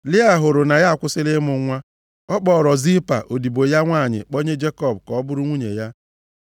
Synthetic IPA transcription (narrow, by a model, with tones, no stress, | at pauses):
lɪ˦a˦˨ɦʊ˨ɾʊ˨na˨ja˦˨kʷʊ˦sɪ˦lɪ˦mʊ˨ŋʷa˦ | ɔ˦k͡pɔː˨ɾɔ˨zi˦pa̰˨ʔo˨di˨bo˨ja˦ŋʷa˦˨ɲɪ̰˨k͡po˦ɲe˦d͡ʒe˦kɔ˦˨bkɔ˨ɔ˦bʊ˦ɾʊ˦ŋʷu˦ɲḛ˨ja˦